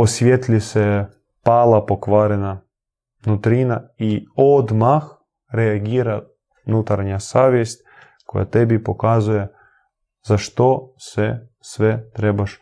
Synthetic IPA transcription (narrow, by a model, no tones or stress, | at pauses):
osʋʲjet̪lisɛ | paːlˠapokʋaːɾɛna | nut̪ɾinaiod̪max | ɾeaɡiːɾa | nut̪aɾɲasaːʋjest̪̚ʲ | kʰo̰ja̰t̪ebipokazuje | z̥aʃt̪osɛ | sʋɛt̪ɾebaʃ